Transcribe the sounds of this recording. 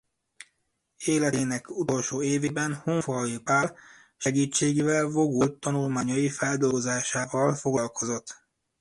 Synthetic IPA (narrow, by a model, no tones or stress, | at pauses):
eːlɛt̪eːnɛkut̪o̞lʃoːeːveːbɛnhoɱfɔjipaːr | ʃɛɡiːt͡ʃːeːɡeːvɛlvo̞ɡult̪ːɒnulmaːɲɒjifɛld̪olɡozaːʃaːvɒlfo̞ɡlɒlko̞zo̞t̪ː